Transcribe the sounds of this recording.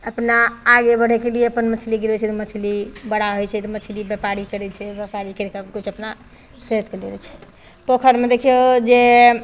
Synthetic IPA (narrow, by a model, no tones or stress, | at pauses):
əpnaːɡebəɽ̤ɛkelijeəpənmət͡ʃʰliɡiɾɛt͡ʃʰɛt̪ɔmət͡ʃʰilibəɽ̤aɦojt͡ʃʰɛt̪ɔmət͡ʃʰilibepaɾikəɾɛt͡ʃʰɛbəpaɾikəɾekakut͡ʃʰəpna | set̪keliɾɛt͡ʃʰɛ̥ | pokʰəɾmed̪ekʰijod͡ʒe